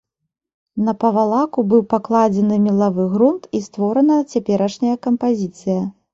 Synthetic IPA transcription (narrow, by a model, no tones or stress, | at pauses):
nɐpɐvalˠakubɨwpaklˠad͡zʲɛnɨmʲilˠavɨɣɾunt̪ist̪vɔɾɐnɐt͡sʲapʲɛɾɐʂnʲɐjɐkɐmpazʲit̪sɨjɐ